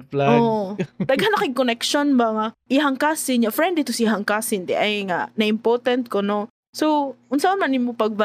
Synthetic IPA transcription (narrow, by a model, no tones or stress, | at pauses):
plaʔoʔt̪ɐɡhanɐkɪɡ̚konɛkʃonbɐŋaʔɪɦɐŋkasɪnɲafɾɛnd̪ɪt̪ʊsiɦɐŋkasɪnd̪ɛʔɐjŋanɐʔɪmpoɾt̪ɐnt̪̚kono | sowʊnsaʊnmɐnːɪnmopɐɡ̚bɐ